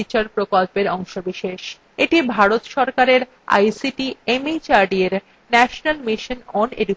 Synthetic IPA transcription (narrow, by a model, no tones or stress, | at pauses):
it͡ɕaɾpɾokolpeɾɔŋʃobiʃeʃ | eʈibʱaɾot̪ʃɔɾkaɾeɾ | a̰jsiʈiemit͡ɕaɾɖieɾ | nɛʃonalmiʃonɔnḛɖuk